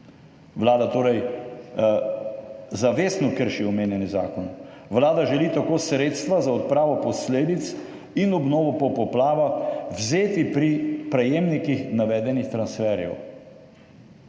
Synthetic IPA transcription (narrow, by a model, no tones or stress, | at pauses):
ʋlaːd̪at̪oːɾɛj | zaʋeːsnɔkəɾʃiɔmeːnjɛniza̰ːkɔn | ʋlaːd̪aʒɛliːt̪akoːsɾeːt̪st̪ʋazaɔt̪̚pɾaːʋɔpɔsleːd̪it̪s | inɔbnoːʋɔpɔpɔplaːʋawzeːt̪ipɾipɾɛjeːmnikixnaʋɛːd̪ɛnixt̪ɾansfɛːɾjɛ̰w